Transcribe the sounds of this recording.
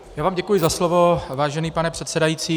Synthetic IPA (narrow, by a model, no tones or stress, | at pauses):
jaːvaːmɟɛkujɪzaslovo̞vaːʒɛniːpanɛpr̥ɛt̪sɛdajiːt͡siː